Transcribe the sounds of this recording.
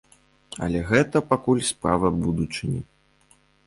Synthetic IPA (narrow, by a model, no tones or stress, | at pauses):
ɐ̰lʲɛɣɛt̪ɐpakulʲspɾavɐbud̪ut͡ʂɨnʲi